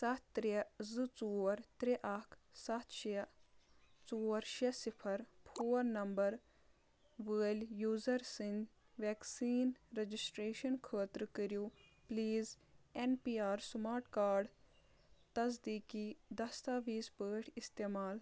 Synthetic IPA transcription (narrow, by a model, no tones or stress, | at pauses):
sɐt̪t̪ɾezɨt͡suːɐɾt̪ɾeʔɐkʰsɐt̪ʰʃi | t͡suːɐɾʃesipʰɐɾpʰuːɾnɐmbɐɾ | ʋəːlʲjuːzɐɾsin | ʋɛːksiːnɾed͡ʒisʈɾeːʃɐnkʰəːt̪ɾkəɾjupliːz | enpiːaːɾsmaːɾʈkaːɾɖ | t̪ɐzd̪iːkid̪ɐst̪aːʋiːspəːʈʰist̪eːmaːl